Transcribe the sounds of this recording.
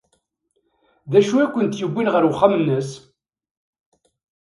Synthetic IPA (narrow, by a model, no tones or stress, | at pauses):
ðæʃuækʷːənt̪jəbʷːinʁəɾwχːamnːəs